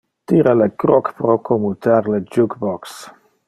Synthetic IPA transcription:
t̪iɾalekɾɔkpɾokʰomut̪aɾled͡ʒukbɔks

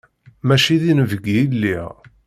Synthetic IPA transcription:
mæʃiðinəvəɡiilːiʁ

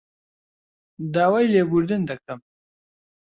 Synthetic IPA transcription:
d̪aːwajleɡuɾd̪ind̪akam

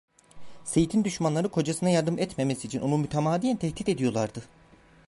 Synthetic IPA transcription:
se̞jit̪ʰind̪yʃmanlˠaɾɯkʰo̞d͡ʒasɯnajaɾd̪ɯmɛt̪me̞mesiːt͡ʃʰino̞numyt̪ʰamaːd̪ijænt̪ʰɛhd̪it̪e̞d̪ijo̞lˠaɾd̪ɯ

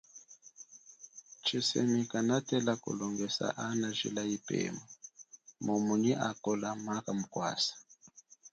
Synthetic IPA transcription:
t͡ʃisɛmikanatɛlako̰lɔŋɡɛsa̰ʔanaʒḭlaipɛ̰mamomuniʔakɔlamakamukwa̰sḁ

